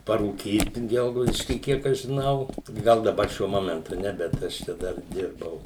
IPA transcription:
pɐruːˈkʲiːt ˈɡʲɛlˠɡɐʊdʲɪʃʲkʲiː ˈkʲiɛk ɐʃ ʒʲɪˈnɐʊ ˈɡɐlˠ dɐˈbɐr ˈʃʲuɔ ˈmoːmʲɛntʊ ˈnʲɛ bʲɛt ˈɐʃ t͡ʃʲɛ ˈdɐr ˈdʲɪrbɐʊ

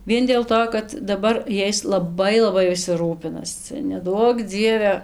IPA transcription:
ˈʋʲiɛn dʲeːlˠ ˈtoː kɐt dɐˈbɐr ˈjɛɪs lˠɐˈbɐɪ lˠɐˈbɐɪ ʋʲɪˈsʲɪ ˈruːpʲɪnɐs ˈt͡sʲɛ nʲɛˈduɔk ˈd͡zʲiɛʋʲɛ

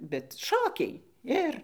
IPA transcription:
bʲɛt ˈʃoːkʲɛɪ ˈɪr

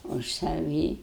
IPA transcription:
ʊʃ sɐˈʋʲiː

